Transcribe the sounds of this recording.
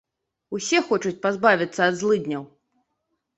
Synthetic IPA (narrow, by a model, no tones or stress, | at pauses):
usʲɛxɔt͡ʂut͡sʲpazbavʲit̪sːɐɐd̪zlˠɨd̪ʲnʲɐw